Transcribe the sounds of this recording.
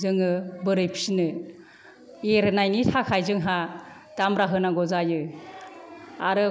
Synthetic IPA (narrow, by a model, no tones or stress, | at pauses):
zɯŋɯbɯɾɯjpʰi̥sinɯ | eɾɯnajnitʰakʰajzɯŋɦa | d̥amɾaɦɯnaɡɔzajɯ | aɾɯ